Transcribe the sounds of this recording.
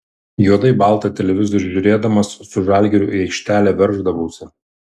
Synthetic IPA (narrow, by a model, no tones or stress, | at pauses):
juɔd̪ɐɪbɑˑlˠt̪ɑt̪ʲɛlʲɛʋʲɪzɔɾʲʒʲʊɾʲeːd̪ɐmɐsːʊʒɑˑlʲɡʲɛɾʲʊːˑɛɪkʃʲt̪ʲæːlʲɛʋʲɛɾʒd̪ɐʋɐʊsʲɛ